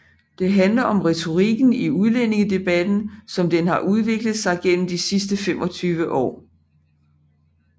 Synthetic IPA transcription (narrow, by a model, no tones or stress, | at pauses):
d̥e̝ɦænlɐɒ̽mʁɛt͡sʰo̝ʁiɡ̥n̩iuðˠlen̰e̝ŋəd̥e̝b̥æd̥n̩sɒ̽md̥enhɑ̈ʔuð̞ˠʋe̝ɡ̥ləð̩ˠsɑ̈ɪɡ̥en̰m̩d̥isisd̥əfem̰ɒ̽t͡sʰyːʋəʔɒ̰ː